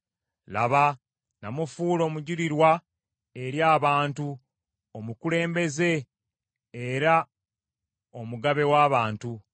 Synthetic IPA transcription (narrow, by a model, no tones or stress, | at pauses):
la̰βa | namufuːlo̞ːmuɟiɾiɾwa | eɾjaːβaːntu | omukule̞ːmbe̞ze̞ː | ɾa | omuɡaβe̞waːβaːntu